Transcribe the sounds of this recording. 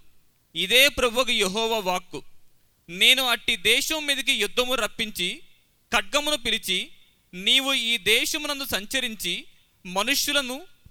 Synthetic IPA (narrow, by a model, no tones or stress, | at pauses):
id̪eːpɾɐboːɡɐjeɦɔːʋaːʋaːkːu | ne̞ːnuɐʈːid̪ɛːʃɐmmːiːd̪ɐk̬ijud̪ʱːɐmuɾɐpːiɲt͡ʃi | kɐɖːɐmunupilit͡ʃi | niːʋuiːd̪ɛːʃɐmnɐnd̪usɐɲt͡ʃɐɾiɲt͡ʃi | mɐnuʂjulɐnu